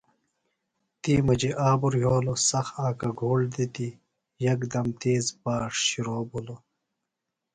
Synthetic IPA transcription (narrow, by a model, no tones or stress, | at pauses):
t̪iːmɐd͡ʑiʔaːbuɾɦoːlosɐxaːkɐɡʱoːld̪it̪i | jɐkd̪ɐmt̪eːzbaːʂɕiɾoːbulo